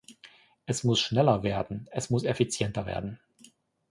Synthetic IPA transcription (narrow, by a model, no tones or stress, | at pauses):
ʔɛsmʊsʃnɛlɐveːɐdn̩ɛsmʊsɛfit͡sjɛntɐvḛːɐdn̩